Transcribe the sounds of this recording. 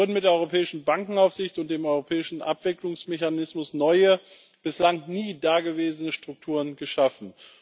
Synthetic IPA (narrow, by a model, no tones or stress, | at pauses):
ʊɐdn̩mɪt̚deːɐɔʏʁopʰɛːɪʃn̩baŋkŋ̩aʊfz̥ɪçtʊntd̥eːmɔʏʁopʰɛːɪʃn̩ʔa̰pv̥ɪklʊŋsmeçanɪsmʊsnɔʏə | b̥ɪslaŋniːdaːɡəveːzənəʃtʁ̥ʊk̚tʰuːʁ̞ənɡəʃafn̩